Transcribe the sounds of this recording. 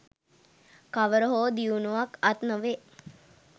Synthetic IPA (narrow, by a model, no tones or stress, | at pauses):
kaʋəɾəɦoːd̪iunuʋakat̪nəʋe